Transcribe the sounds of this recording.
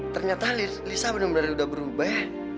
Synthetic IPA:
t̪ərɲat̪ali | lisabənəŋbənərudahbəɾubahjj

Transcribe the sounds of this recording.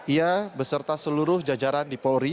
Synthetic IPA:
iabəsərt̪asəluɾʊhd͡ʒad͡ʒaɾandipoɾi

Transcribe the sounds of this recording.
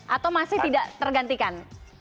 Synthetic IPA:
ʔat̪awmasɪht̪idaʔt̪ərɡant̪ikan

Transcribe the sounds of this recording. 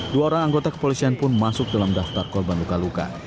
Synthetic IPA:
duaoɾaŋaŋɡot̪akə̥polisianpʊnmasʊk̚dalamdaft̪arkɔrbanlukaluka̰

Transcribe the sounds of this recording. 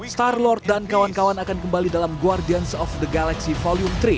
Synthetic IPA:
st̪arlɔrt̪̚dankawankawanakankəmbalidalamɡuardiansɔfd̪əɡalaksifɔliumt̪ɾi

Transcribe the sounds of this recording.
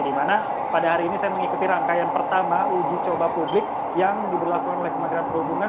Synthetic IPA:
dimana | padaɦaɾiːnisajaməŋikut̪iɾaŋkajanpərt̪amaud͡ʒit͡ʃobapublɪk̚ | jaŋdibərlakukanolɛhkəmaɡɾanpərɦubuŋa

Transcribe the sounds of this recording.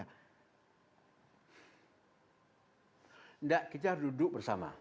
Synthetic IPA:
ndaʔkit̪adudʊk̚bərsama̰

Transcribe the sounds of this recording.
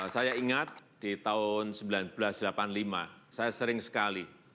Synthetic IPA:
sajaiŋat̪̚d̥it̪aʊnsəmbilanb̥lasdəlapanlimasajasəɾɪŋsə̥kali

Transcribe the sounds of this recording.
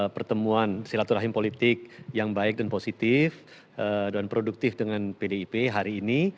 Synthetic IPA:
pərt̪əmuansiɾat̪uɾaɦɪmpolit̪ɪk̚jaŋbaɪk̚danposit̪ɪf | ədanpɾoduk̚t̪ɪfdəŋanpedeipeɦaɾiːni

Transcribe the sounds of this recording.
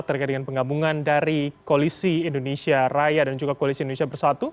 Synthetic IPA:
t̪ːərkajdəŋanpəŋabuŋandaɾikolisiindonesiarajadand͡ʒuɡakolisindonesiabərsat̪u

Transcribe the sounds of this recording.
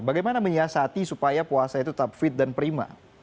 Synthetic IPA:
baɡajmanaməɲiasat̪isupajapuasait̪ut̪ap̚fɪt̪̚danpɾima̰

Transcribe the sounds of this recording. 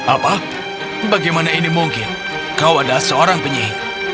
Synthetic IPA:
apa | baɡajmanainimuŋkɪn | kawadasəoɾaŋpəɲiɦ̚

